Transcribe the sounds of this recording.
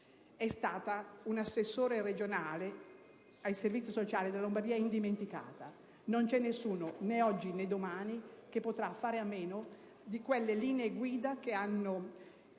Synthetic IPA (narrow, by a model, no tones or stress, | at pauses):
ɛst̪aːt̪aunasːesːoːɾered͡ʒonaːle | ajservit̪ːisot͡ʃaːled̪elalombard̪iːaind̪iment̪ika̰ːt̪a | nont͡ʃɛnːesːuːnoneɔd͡ʒːined̪omaːnikepːot̪ɾafːaːɾeamːeːno | d̪ikwelːeliːneːɡwiːd̪ak̟eanːo